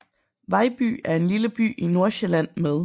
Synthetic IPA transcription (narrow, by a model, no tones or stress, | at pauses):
ʋɑ̈ɪb̥y̰ːæɐe̝nliləb̥y̰ːino̝ɐɕilæn̰meðˠ